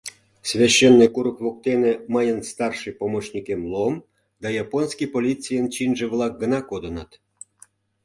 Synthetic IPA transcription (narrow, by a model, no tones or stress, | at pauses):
svʲaɕːenːɨjkuɾəkβok̚t̪enĕməjənst̪ɑrʂɨjpomot͡ɕnʲikʲemlˠom | d̪ɑjɑponsʲkʲipolʲit͡sʲijənt͡ɕinʒĕβlˠɑk̚ɡənɑkod̪ənɑt̪